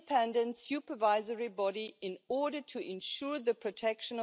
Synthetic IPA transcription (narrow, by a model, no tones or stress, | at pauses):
pʰɛ̃ndə̃ntsjʉpə˞vaɪzəɹibɔɾiɪ̃nɔɹɾə˞tʰuʔɪ̃nʃuɹðəpʰɹ̥ɔtʰɛkʃə̃n